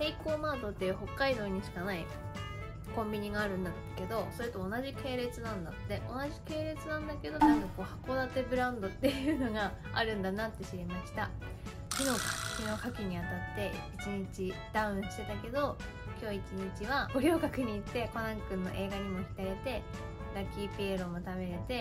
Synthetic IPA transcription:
seiko̞ːmaːd̪o̞t̪ːejɯ̟ːho̞kːaid̪o̞ːɲ̟iɕi̥kanai | kõ̞mbʲiɲ̟iɡaːɾɯ̟̃nd̪a | ke̞d̪o̞so̞ɾe̞t̪o̞ːnaʑike̞ːɾe̞t͡sɨnãnd̪at̪ːe̞ʔo̞naʑike̞ːɾe̞t͡sɨnãnd̪ake̞d̪o̞t̪abɯko̞ːhako̞d̪at̪e̞bɯ̟ɾãnd̪o̞t̪ːe̞jjɯ̟ːno̞ɡa | a̰ɾɯ̟̃nd̪anat̪ːe̞ɕiɾemaɕi̥t̪a | kʲino̞kakʲino̞kakʲiɲ̟iat̪at̪ːe̞it͡ɕiɲit͡ɕid̪̥aɯ̟̃ɰ̃ɕi̥t̪e̞t̪ake̞d̪o̞ | kʲo̞ːit͡ɕiɲ̟it͡ɕiβaboɾʲo̞ːɡakɯ̟ɲ̟iːt̪ːe̞kanãkɯ̟̃nːo̞̰ʔe̞ːɡaɲ̟imo̞çi̥kaɾe̞t̪e̞ | ɾakʲːiːpʲeːɾo̞mo̞t̪ame̞ɾe̞t̪e̞

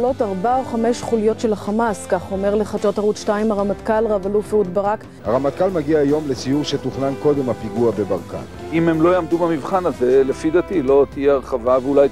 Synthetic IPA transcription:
lo̞taʁbaoχame̞ʃχulijo̞tʃe̞laχamaskaχuomeʁleχat͡ʃotaʁut̪ʃtaimaʁamat̪kalʁavalufeut̪baʁak | haʁamat̪̚kalmaɡiaːjo̞mlet͡sijuʁʃet̪uχnanko̞d̪e̞mhapiɡuabe̞baʁka̰n | imemlo̞jamd̪ubamivχanazelefid̪at̪ilo̞t̪ijeaʁχavaveulaj

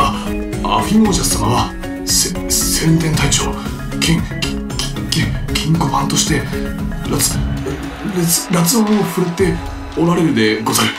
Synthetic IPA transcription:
a | a̰ɸʲinoːɕasamaβa | s | sẽ̞nt̪ent̪ait͡ɕo̞̰ː | kẽŋ | kẽkʰʲĩŋkomãnt̪o̞ɕi̥t̪e̞ɾat͡s | ɾet͡sɾat͡sɨomoɸɯ̟ɾɯt̪ːe̞ | o̞ɾaɾe̞ɾɯ̟d̪e̞ɡo̞zaɾe

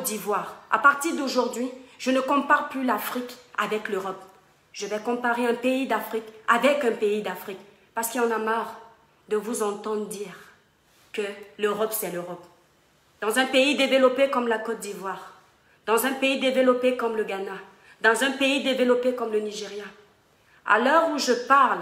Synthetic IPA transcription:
t̪̚d̪ivwaʁa̰paʁt̪iʁd̪oʒuʁd̪ɥiʒ̥ənəkɔ̃paʁplylafχika̰vɛkløʁɔp | ʒ̥əvɛkɔ̃paʁeɛ̃peid̪afχikavɛkɛ̃peid̪afχik | paʁsə̥kilɑ̃namaʁ | d̪əvuzɑ̃t̪ɑ̃d̪ʁd̪iːʁ | kəløʁɔpsɛløʁɔp | d̪̥ɑ̃zɛ̃peid̪evəlɔpekɔmlakɔt̪̚d̪ivwaʁ | d̪̥ɑ̃zɛ̃peid̪evəlɔpekɔmləɡana | d̪ɑ̃zɛ̃peid̪evəlɔpekɔmləniʒeʁja | a̰lœʁuʒəpaʁl

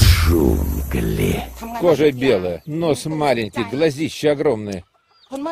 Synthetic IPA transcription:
ʂṵmklʲekoʐəbʲelˠəjənosmalʲɪnʲkʲɪjɡlˠɐzʲiɕːɪɐɡɾomnɨjə

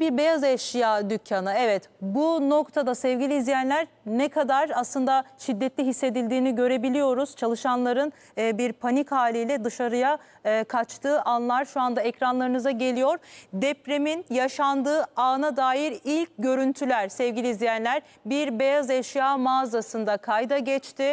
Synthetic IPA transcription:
biɾbejazɛʃjaːd̪ycʰːanɯɛvɛt̪buno̞kt̪ʰad̪asɛvɟilʲiːzʲjænlʲæɾ | nɛkʰad̪aɾaslˠɯnd̪aʃid̪ːɛt̪lʲiɦisːe̞d̪ilʲd̪iːniɟø̞ɾe̞bilʲijo̞ɾuz̥t͡ʃʰalˠɯʃanlˠaɾɯnː | biɾpʰanikhaːlʲijlʲɛd̪ɯʃaɾɯjaː | kʰat͡ʃt̪ʰɯːʔanlˠaɾʃuand̪aɛcɾanlˠaɾɯnɯzaɟe̞lʲijo̞ɾ̥d̪ɛpɾeminjaʃand̪ɯːaːnad̪aːjiɾilʲc̚ɟø̞ɾynt̪ʰylʲæɾ̥sɛvɟʲilʲiːzlʲijænlʲæɾ | biɾbejazɛʃjaːmaːzasɯnd̪akʰajd̪aɟɛt͡ʃt̪ʰɪ

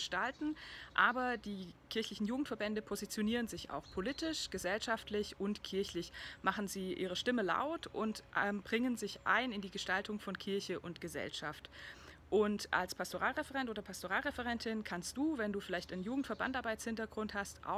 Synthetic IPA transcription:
ʃtaltn̩ʔaːbɐd̥iːkʰɪɐçlɪçn̩juːɡŋ̩tfɛɐbɛndəpʰozit͡sjoniːʁənzɪça̰ʊxpʰoliːtɪʃɡ̥əzɛlʃaftlɪçʊntkʰɪɐçlɪçmaχn̩ziːʔiːʁ̞əʃtɪməla̰ʊtʔʊntʔɛmbʁɪŋənzɪçʔa̰ɪnɪndiːɡəʃtaltʰʊŋfɔnkʰɪɐçəʔʊntɡ̥əzɛ̰lʃa̰ft | ʔʊntʔa̰lspʰastoʁaːlʁɛfɛʁɛntʔoːdɐpʰastoʁaːlʁɛfɛʁɛntɪnkʰanst̚d̥uːvɛnduːfɪlaɪçtaɪnnjuːɡŋ̩tfɛɐba̰ntaɐbaɪtshɪntɐɡʁʊnthastʔa̰ʊ

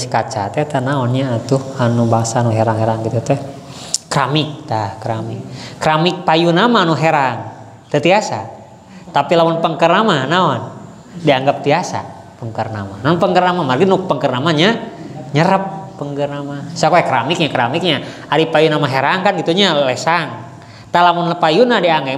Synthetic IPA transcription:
skat͡ʃa̰t̪ɛt̪anaɔnɲaːt̪uhanubaŋsaːnuɦeɾaŋɦeɾaŋɡit̪ut̪ɛ | kːɾamɪk̚t̪ahkɾamikːɾamɪk̚pajunamaːnuɦeɾaŋ | t̪ət̪iasa̰ | t̪apilawanpəŋkərnamanaɔn | diaŋɡap̚t̪iasa̰ | pəŋkərna̰ma̰naɔnpəŋɡərnamamərɡinupəŋkərnamaɲaɲəɾəp̚pːəŋɡərnamasakojakɾamɪk̚ɲakəɾamɪk̚ɲa | aɾipajunamaɦeɾaŋkanɡit̪uɲalesaŋ | t̪alamʊnpajunadiaŋe

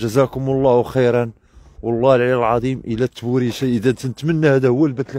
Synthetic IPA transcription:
ʒəzækʊmɑlˤːɑhwxijɾˤɑn | wɑlˤːɑhlʕaləlʕɑd̪ˤimʔəlæt̪ːbuɾiʃæʔəd̪ænt̪nət̪mənːæhæd̪æhʊwːælbæt̪l

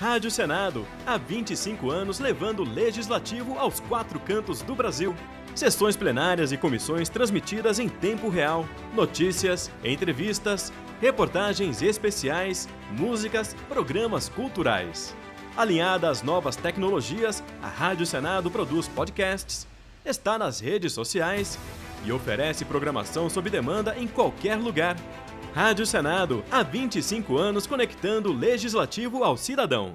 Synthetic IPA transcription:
had͡ʒʊsenad̪ʊ | avĩt͡ʃɪsĩkʊɐ̃nʊzlevɐ̃nd̪ʊleʒizlat͡ʃivʊawskwat̪ɾʊkɐ̃nt̪ʊzd̪ʊbɾaziw | sesõj̃splenaɾiɐzɪkomisõj̃st̪ɾɐ̃zmit͡ʃid̪ɐzẽj̃t̪ẽmpʊɦeaw | not͡ʃisiɐsḛ̃nt̪ɾevist̪ɐs | hepoɾt̪aʒẽj̃zespesiajs | muzikɐs | pɾoɡɾɐ̃mɐskuwt̪uɾa̰js | alĩɲad̪ɐːznɔvɐst̪ɛknoloʒiɐs | ɐ̰had͡ʒʊsenad̪ʊpɾod̪uspɔd͡ʒɪkɛst͡ʃɪ̥s | est̪anɐzhed͡ʒɪsːosiajsɪofeɾɛsɪpɾoɡɾɐma̰sɐ̃w̃sobɾɪd̪emɐ̃nd̪ɐʔẽj̃kwawkɛɾluɡaɾ | had͡ʒjʊsenad̪ʊavĩnt͡ʃisĩkʊɐ̃nʊskoneki̥t̪ɐ̃nd̪ʊleʒizlat͡ʃivʊawsid̪ad̪ɐ̃w̃

